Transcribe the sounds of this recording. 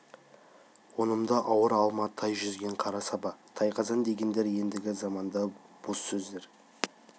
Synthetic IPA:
wo̞nəmd̪ɑʔɑwəɾɑlˠmɑt̪ʰːɑjʒʏzɡʲe̞ɴqʰɑɾɑsɑbɑt̪ʰɑjqʰɑzɑnd̪e̞ɡʲe̞nd̪e̞ɾje̞nd̪ɪɡʲɪzɑmɑnd̪ɑ | b̥osːɵzd̪e̞ɾ

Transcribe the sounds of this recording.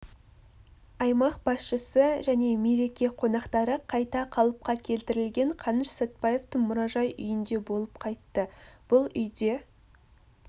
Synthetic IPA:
ɑjmɑqbɑsʃəsəʒæne̞me̞ɾe̞kʲe̞qʰo̞nɑqt̪ɑɾəqʰɑjt̪ɑqʰɑlˠəp̚qɑkʲʰe̞lt̪ɪɾɪlɡʲe̞ɴqʰɑnəʃsot̪̚pɑje̞ft̪əɴmʊɾɑʒɑjʔʏ̰jɪnd̪e̞bo̞lˠəp̚qʰɑjt̪ːəb̥ʊlˠʏjd̪e̞

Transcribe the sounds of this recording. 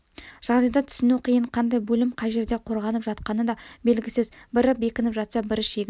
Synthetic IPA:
ʒ̥ɑʁd̪ɑjd̪ɑt̪ʰʏ̥sɪnuqʰijəɴqʰɑnd̪ɑjbɵlɪmqʰɑjʒe̞ɾd̪e̞qʰo̞ɾʁɑnəpʒɑt̪qɑnəd̪ɑbe̞lɡʲɪsɪzbɪɾəp̚be̞kʲɪnɪpʒɑt̪sɑbɪɾɪʃe̞ɡʲɪ

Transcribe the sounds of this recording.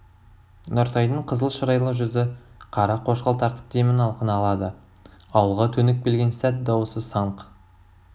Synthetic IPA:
noɾt̪ʰɑjd̪əɴqʰəzəlˠʃəɾɑjlˠɑʒʏzɪ | qʰɑɾɑqʰo̞ʃqɑlˠt̪ʰɑɾt̪ə̥p̚d̪e̞mɪnɑlˠqənɑːlˠɑd̪ə | ɑwəlˠʁɑt̪ʰɵnɪk̚belɡʲe̞nsæt̪̚d̪ɑwosəsɑɴq

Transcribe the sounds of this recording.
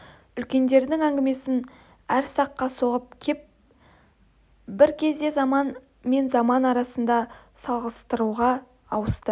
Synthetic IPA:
ʏlkʲe̞nd̪e̞ɾd̪ɪŋæŋɡʲɪme̞sɪn | æɾsɑqːɑso̞ʁəp̚kʲʰe̞p̚ | bɪɾkʲʰe̞zd̪e̞zɑmɑn | me̞nzɑmɑnɑɾɑsənd̪ɑ | sɑlˠʁəst̪əɾuʁɑ | ɑwəst̪ə

